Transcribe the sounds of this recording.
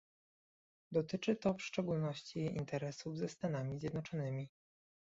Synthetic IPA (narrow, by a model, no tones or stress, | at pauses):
d̪ɔt̪ɘt͡ʂɘt̪ɔfʂt͡ʂɛɡulnɔɕt͡ɕḭːnt̪ʰɛɾɛsuvzɛst̪anamʲizʲjɛd̪nɔt͡ʂɔnɘmʲi